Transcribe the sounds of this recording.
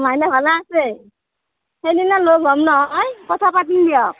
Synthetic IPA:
majnabʱalaːse | hejdinaloɡʱɔmnɔɦɔjkɔtʰapatindijɔ

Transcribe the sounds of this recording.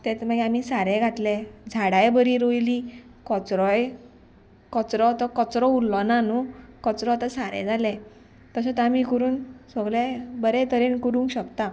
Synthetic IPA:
t̪et͡smaɡɛamisaɾẽɡʱat̪led͡zʱaɽajbəɾiɾojlikɔt͡sɾɔj | kɔt͡sɾɔt̪ɔkɔt͡sɾɔulːɔnanukɔt͡sɾɔt̪asaɾɛ̰̃d͡zale | t̪əsə̃t̪amikuɾuːnsɔɡlebəɾet̪əɾenkuɾũŋkɕəkt̪a

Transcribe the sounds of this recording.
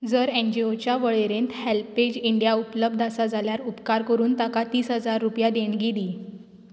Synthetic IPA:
d͡zəɾend͡ʑiot͡ɕjaʋəɭeɾent̪helped͡ʑiɳɖijaupləb̚d̪ʱasad͡zʱaljaɾupkaɾkəɾuːnt̪akat̪iːsɦəd͡zaɾːupjad̪eɳɡeɽiː

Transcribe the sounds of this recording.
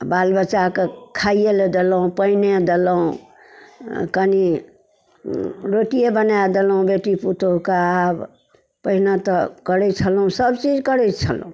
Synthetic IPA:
balbət͡ʃakekʰaijeled̪eləũpəined̪eləũ | kəni | ɾoʈijebənad̪elũbeʈiput̪okaːb | pəɦinat̪ɔkəɽɛt͡ʃʰəlũsəbt͡ʃid͡ʒkəɽɛjt͡ʃʰə̰l̰ũ

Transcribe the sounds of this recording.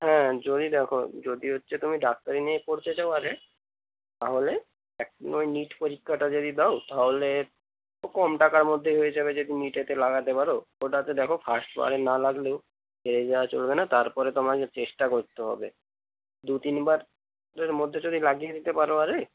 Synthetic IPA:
ɦɛ̃d͡ʑod̪ʱid̪ɛkʰo̰d͡ʑod̪iɦotːʃʰet̪umiɖak̚t̪aɾiniekoɾt̪et͡ɕaoaɾɛ | t̪aɦole | ɛk̚nojniʈpoɾikʰːaʈad͡ʑod̪id̪aot̪aɦole | okɔmʈakaɾmod̪ʱːeɦojed͡ʑabed͡ʑod̪iniʈet̪elaɡat̪epaɾooʈat̪ed̪ɛkʰofʰasʈba̰ɾenalaɡlo | bʱeɾed͡ʑawat͡ɕolbenat̪aɾpɔɾet̪ɔmaket͡ɕeʃʈakoɾt̪eɦɔ̰be | d̪ut̪inbaɾ | ɾeɾmod̪ʱːed͡ʑod̪ʱilaɡied̪it̪epaɾoaɾe

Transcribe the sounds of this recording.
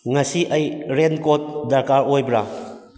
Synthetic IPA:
ŋɐsiʔɐjɾenkot̚dɐɾkaɾojbɾa̰

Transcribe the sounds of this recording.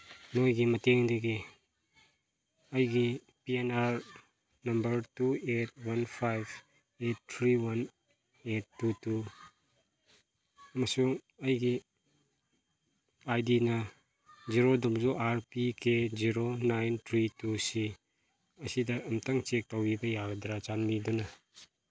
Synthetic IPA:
nojɡimɐteŋdɐɡi | ɐjɡi | pienaɾ | nɐmbɐɾtuet̚wɐnpʰajb | etːʰɾiwɐn | etːutu | ɐmɐsuŋ | ɐjɡi | ajdinɐ | ziɾodumzuʔaɾpikeziɾonajntʰɾitusi | ɐsidɐʔːmtʰɐŋt͡ʃek̚tawbibɐjaɡɐdɾat͡ʃanmidunɐ

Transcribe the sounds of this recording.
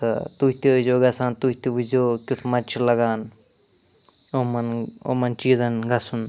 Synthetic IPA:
t̪ɐ̰t̪uɦit̪izoːɡɐsaːnt̪uɦt̪ibuzoːkʲut̪ʰmɐt͡ʃʰilɐɡaːn | omɐno̰mɐnt͡ʃiːzɐnɡɐsun

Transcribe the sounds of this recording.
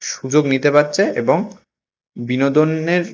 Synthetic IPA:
ʃud͡ʑoɡnit̪epatːɕʰeʔḛboŋ | binod̪onːeɾ

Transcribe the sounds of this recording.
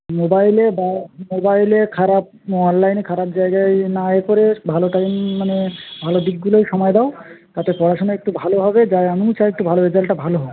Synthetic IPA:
mobajlebamobajlekʰaɾap̚ | ɔnlajnekʰaɾap̚d͡ʑajɡaenaekoɾebʱaloʈajmanebʱalod̪ik̚ɡulojʃɔmɔed̪aot̪at̪epɔɾaʃonoek̚ʈubʱaloɦɔbed͡ʑaeamit͡ɕaek̚ʈubʱaloed͡ʑalʈabʱaloɦɔbee

